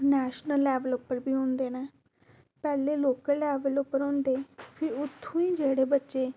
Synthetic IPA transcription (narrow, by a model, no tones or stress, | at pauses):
nɛːʃnəlːɛːʋəlʊpːəɾbiːõnd̪eːnɛː | pɛːleːloːkəlːɛːʋəlʊpːəɾõːnd̪eːpʰɪʊt̪ʰːũːiːd͡ʒeːɽeːbətːʃeː